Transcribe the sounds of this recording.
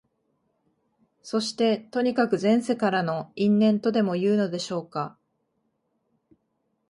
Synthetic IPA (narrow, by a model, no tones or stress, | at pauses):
so̞ɕi̥t̪e̞t̪o̞ɲ̟ikakɯ̟zẽ̞ɰ̃se̞kaɾano̞ĩnːẽ̞nt̪o̞d̪e̞mo̞jɯ̟ːno̞d̪e̞ɕo̞ːka